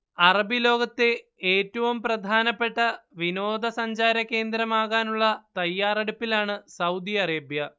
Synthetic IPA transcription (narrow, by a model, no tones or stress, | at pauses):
ɐrɐbilo̞ːɡɐt̪ːe | eːtːɐʋumprɐd̪ʱaːnɐpːe̞ʈːɐʋino̞ːd̪ɐsɐɲd͡ʑaːɾɐke̞ːnd̪ɾɐmaːɣaːnuɭːɐt̪ɐjːaːreɽupːilaːɳɨsɐwd̪iɐreːbjɐ